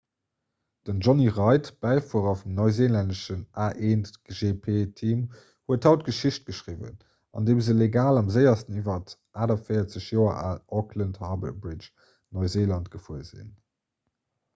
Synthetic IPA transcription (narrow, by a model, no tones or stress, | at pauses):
d̥ənʒɔniʁɑɪtb̥æɪfuəʁɐfumnɔɪzeːlændəʃənaːʔeːntʒepʰeːtʰiːm | huəthɑʊt̚ɡ̥əʃiɕt̚ɡ̥əʃʁivə̰n | ɑ̰ndeːmzəleɡaːlɑmzəɪɐstənivɐtʔaːdɐfəɪɐt͡səɕjoːɐ̰ʔaːʔɔklənthɑːbə̰bʁit͡ʃ | nɔɪzeːlɑntɡ̥əfuəzḭn